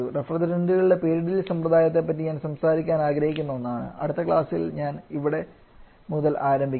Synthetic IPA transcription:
urefrɐd̪ɐɾɐndiɣluɭːepe̞ːɾiɽilsɐmprɐd̪aːjɐt̪ːe̞p̬ːɐt̬ːiɲaːnsɐmsaːɾikʲːaːnaːɡɾɐhikʲːunːɐonːaːɳɨ̰ɐ̰ɽut̪ːɐkɭaːsilɲaːniʋiɽe̞ | muðɐlaːɾɐmbʱikʲː

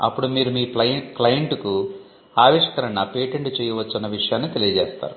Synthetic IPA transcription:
ɐ̰pːuɽumiːɾumiːplɐjklɐjɐɳʈku | aːʋiʂkɐɾɐŋɐpeːʈeɳʈt͡ʃɛːjɐʋɐt͡ʃːɐnːɐʋiʂɐjaːnːit̪e̞lijɐd͡ʒɛːst̪a̰ːɾu

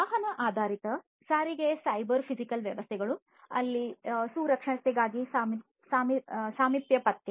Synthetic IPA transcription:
ɐɦɐnɐʔaːd̪ʱaːɾit̪ɐ | saːɾiɡesɐjbɐɾpʰid͡ʒikɐlʋjɐʋɐst̪ʰɛɡɐɭu | ɐlːisuːɾɐkʂɐɳɐst̪ɛɡaːɡisaːmi | saːmisaːmipjɐpɐt̪ːjɐ

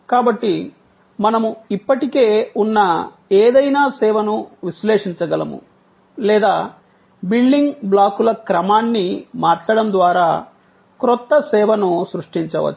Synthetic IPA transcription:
kaːbɐʈːi | mɐnɐmuipːɐʈikeːunːɐ | eːd̪ɐjnaːsɛːʋɐnuʋisleːʂiɲt͡ʃɐɡɐlɐ̰mṵ | lɛːd̪aː | biɭɖiŋɡblaːkulɐkɾɐmaːnːimaːɾt͡ʃɐɽɐnd̪ʋaːɾaː | kɾɔt̪ːɐsɛːʋɐnusɾuʂʈiɲt͡ʃɐʋɐ̰t͡ʃː

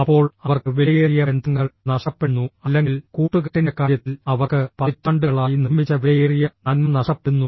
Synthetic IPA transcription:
ɐpːo̞ːɭɐʋɐrkɨʋelɐjerijɐend̪uŋːɐɭnɐʂɐpːenːuɐlːeŋɡilkuːʈːuk̬iʈːinɐkːaːɾjɐt̪ːilɐʋɐrkɨpɐit̪ːɐɳɖɨɐɭaːjinimːit͡ɕːɐʋeljerijɐnɐnmɐnɐʂɐpːenːu

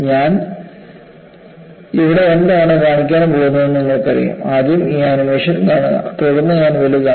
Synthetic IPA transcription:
ɲaːn | iʋiɽe̞end̪ɐaːɳɨkaːɳikʲːaːɳumpoːɣunːuʋenːiŋːɐɭkːɨɐrḭjṵmad̪jmiːɐnumeːʂɐnkaːɳɨ̰t̪oɽunːɐɲaːnʋelika

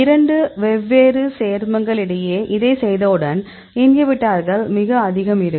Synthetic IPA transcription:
ɪɾɐɳɖɯʋɛbːeːɾɯseːɾmɐŋɡɐɭɪɽɐjeːʔɪðɐɪsɛjðɐɯɽɐn | ɪnɡɐʋɪʈːaːɾɣɐɭmɪɣɐɐðɪɣɐmɪɾɯkː

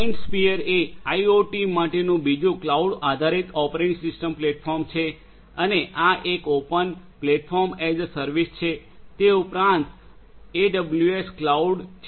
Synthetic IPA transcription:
iɳɖspiəɾeajoʈimaʈenũbid͡ʒũklauɖad̪ʱaɾit̪ɔpɾeɳsɪsʈəmpleʈ̚fʰɔɾmt͡ʃʰe | əneʔaʔekopən | pleʈ̚fʰɔɾmɛzəsəɾʋist͡ʃʰe | t̪eupɾãnt̪ | eɖəbljuesklauɖt͡ʃʰ

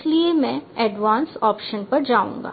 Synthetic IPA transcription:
sliemɛ̃ɛːɖʋãːnsɔːpʃənpɐɾd͡ʒaːṵ̃ːŋɡa̰ː

